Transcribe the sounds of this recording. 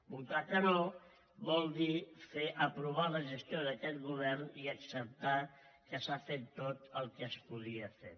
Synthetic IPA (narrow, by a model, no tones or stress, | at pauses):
but̪akəno | βɔlˠd̪ifeʔəpɾuβaləʒəst̪joðəkɛt̪̚ɣuβ̞ɛɾniəksəp̚t̪a | kəsafet̪ːot̪əlˠkəspuðiəfḛɾ